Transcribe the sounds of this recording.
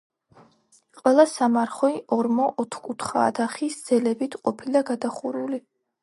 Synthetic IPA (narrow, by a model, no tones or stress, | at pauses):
qʼwɛlˠasamaɾχɔiʔɔɾmɔʔɔt̪ʰkʼut̪ʰχa̰ːd̪aχisd̪z̥ɛlɛbit̪ʰqʼɔpʰilaɡad̪aχuɾuli